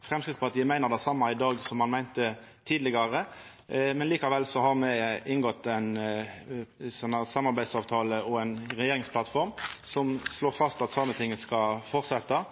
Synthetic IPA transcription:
fʁɛmskɾɪt̪spʰɑt̪ʰjæmæɪnəʁd̪ɛsɑmːɑɪd̪ɑːɡsɔmːɑnmæɪnt̪ət̪ʰiːd̪lɪɡɑʁə | mɛnliːkɑʋɛlsɔɦɑʁmɛɪnŋɡɔt̪ːæɪn | sɔnːəsɑmːɑɾbæɪsɑːʋt̪ʰɑːləɔɛnɾɛjeːɾɪŋspʰlɑt̪fɔʁmsɔmsloːɾfɑst̪ɑt̪sɑmət̪ʰɪŋːəskɑfɔʁt̪sɛt̪ːɑ

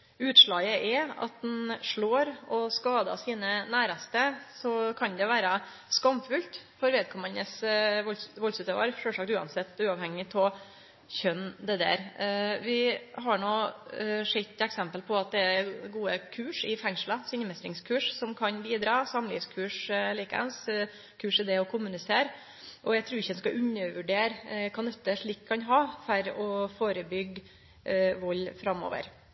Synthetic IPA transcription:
ʉːt̪ʂɭɑːɡəʔɛɑ̰t̪̚d̪ɛnʂɭoːɾɔskɑːd̪ɑ̰siːnənæːɾɑst̪əsɔkʰɑnd̪ɛʋæːɾɑ | skɑmfʉlt̪fɔɾʋeːd̪̚kʰɔmːənəsʋɔlʋɔlsʉt̪ɑʋɑ̰ɾʂøːlʂɑːk̚t̪ʉːɑ̰nsɛt̪ːʉːɑʋhɛŋːɪt̪ʰɔ | çœnːd̪ɛd̪æ̰ːɾʋɪɦɑɳoː | ʂɪt̪ːɛksɛmpəlpʰɔɑt̪̚d̪ɛæɡuːəkʰʉːʂɪfɛŋʂləsɪnmɛst̪ɾɪŋskʰʉːʂsɔmkʰɑnbiːd̪ɾɑːsɑmlḭfskʰʉːʂliːkə̰ns | kʰʉːʂɪd̪ɛɔkʰʊmʉnɪseːɾ | ʔɔjæɪt̪ʰɾʉːɾɪçəd̪ɛnskɑʔʉnːəɾʋʉɖeːɾkʰɑnɛt̪ːəʂɭiːkʰːɑnɦɑːfæɾɔfoːɾəbʏɡ | ʋɔlːfɾɑmːɔ̰ːʋə̰ɾ

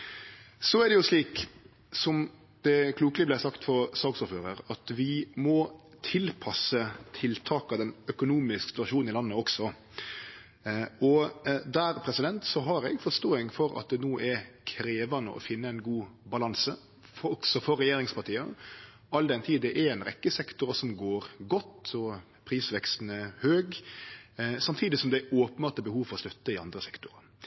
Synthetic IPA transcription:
sɔæɾd̪ɛjʊsliːk | sɔm | d̪̥ɛkʰluːklɪblæɪsɑkt̪fɔɾsɑːɡsɔɾføːɾəɾɑt̪ʋɪmɔ | t̪ʰɪlpʰɑsət̪ʰɪlt̪ʰɑːkɑd̪ɛnœkʊnuːmɪsksɪt̪ʉɑʂuːnn̩ɪlɑnːəɔksɔ | ɔd̪æɾpʰɾɛsɪd̪ɛnt̪sɔɦɑɾɛ̰ɡfɔʂt̪oːɪŋfɔɾɑ̰t̪̚d̪ɛnoːʔɛɾkʰɾeːʋɑnə̰ʔɔ̰fɪnːəæɪnɡuːbɑlɑnsə | ɔksɔfɔɾːɛjeːɾɪŋspɑt̪ʰiːə | ɑld̪ɛnt̪ʰiːd̪ɛʔɛɾɛnɾɛ̰kːəsɛkt̪ʊɾəsɔmɡoːɾɡɔt̪ːɔ | pʰɾiːsʋɛkst̪n̩əhøːɡ | sɑmt̪ʰiːd̪ɪsɔmd̪æoːpənbɑːɾt̪əbəhuːʋfɔɾɔst̪œt̪ːəɪɑ̰nd̪ɾəsɛkt̪ʊɾɑ

